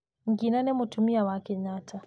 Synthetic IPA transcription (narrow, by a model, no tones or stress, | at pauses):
ŋɡinanemutumiawakɛɲatʰa